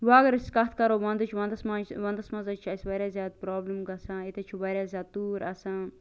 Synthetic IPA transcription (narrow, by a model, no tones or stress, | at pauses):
ʋaːɡɐɾɐskɐt̪ʰkɐɾoːʋɐ̃nd̪ɐt͡ʃʰʋɐ̃nd̪ɐsmaʋɐ̃nd̪ɐsmɐnzɐt͡ʃʰɐsʋɐɾʲaːzʲjaːd̪̚pɾaːblimɡɐsãːit̪ɐt͡ʃʰiʋɐɾʲjaːzʲaːd̪̚t̪uːɾɐsãː